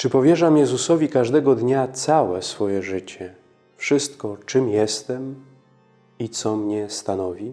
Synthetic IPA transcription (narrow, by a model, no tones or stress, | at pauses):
t͡ʂɘpɔvʲjɛʐamjɛzusɔvʲikaʐd̪ɛɡɔd̪ɲat̪sawɛsfɔjɛʐɘt͡ɕɛ | fʂɘst̪kɔt͡ʂɘmjɛst̪ɛm | it̪sɔmɲɛst̪anɔvʲi